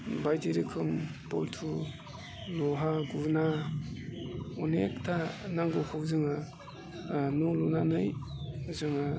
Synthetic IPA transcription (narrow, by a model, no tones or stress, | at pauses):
bajtiɾikʰɯmpɔ̰ltʰu | lɔɦaɡuɾna | ɔnḛktʰanaŋɡokʰawzɯŋa | nɔlunanɯjzɯŋa